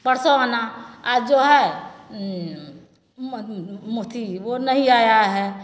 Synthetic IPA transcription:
pəɽsoanaad͡ʒoɦɛ | mʊt̪ʰiwonəɦĩaːjaɦɛ

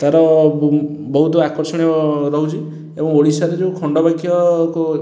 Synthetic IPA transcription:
t̪aɾɔ | bɔɦut̪ɔakɔɾsɔɽ̃ijɔɾɔɦut͡ʃʰi | ebɔŋoɽisaɾed͡ʒeũkʰɔɳɖɔbakʰjɔkɔ

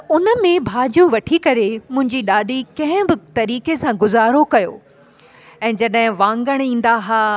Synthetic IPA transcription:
ʊnə̆mẽbʱaːd͡ʑũʋɐʈʰikɐɾemʊ̃ɦɪ̃ɲd͡ʑiɗaːɗikɐ̃ɦɪ̃bɪt̪ɐɾiːkesãɡʊzaːɾokɐjo̰ː | ɛ̃ːd͡ʑɐɗɦɪ̃ʋãːŋɡəɽ̃ĩːn̆d̪aɦaː

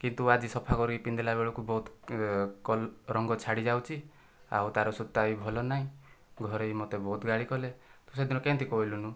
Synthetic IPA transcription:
kint̪uad͡ʒisɔpʰakɔɾipind̪elabeɭɔkubɔɦut̪ | kɔlɾɔŋɡɔt͡ʃʰaɽid͡ʒawt͡ʃʰi | a̰wt̪aɾɔsut̪ːaibʱɔlɔnaɦĩ | ɡʱɔɾejmɔt̪ebɔɦut̪ɡaɽikɔlet̪used̪ʱinɔkent̪ʰikɔɦilunu

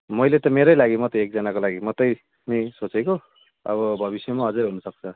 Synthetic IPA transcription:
mʌjlet̪ʌmeɾʌjlaɡimʌt̪ek̚d͡zʌnakolaɡimʌt̪ʌj | nʌjsot͡seko | ʌ̰βʌbʱʌβisjʌmaɦʌd͡zuɾɦunʌsʌk̚t͡sʰʌ

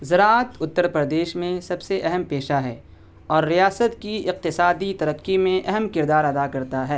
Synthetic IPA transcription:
zɐɾat̪ʊt̪ːəɾpɾəd̪eːʃmẽsɐbseʔɛɦəmpeːʃaɦɛ̰ː | ɔːɾːijaːsət̪kiɪq̚t̪ɪsaːd̪it̪ɐɾəqːimẽʔɛɦəmkɪɾd̪aːɾɐd̪akɐɾt̪aɦɛː

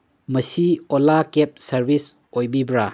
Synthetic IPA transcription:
mɐsiolakep̚sɐɾbis | ojbibɾa

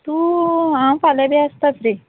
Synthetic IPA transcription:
t̪uːãw̃falabiəst̪at̪ɾe

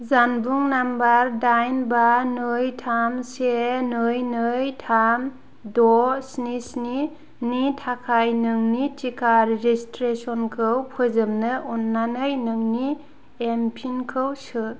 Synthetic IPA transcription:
zanbuŋnambaɾdajnbanɯjtʰamsenɯjnɯjtʰam | dɔsnisni | nitʰakʰajnɯŋnitikʰaɾeɾistɾesɔnkʰɯwpʰɯzɯmnɯʔunːanɯjnɯŋni | empʰinkʰɯwsɯ

